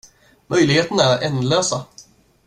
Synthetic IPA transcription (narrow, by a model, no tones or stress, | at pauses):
mœjlɪɡheːt̪ənaæɾɛnløːsa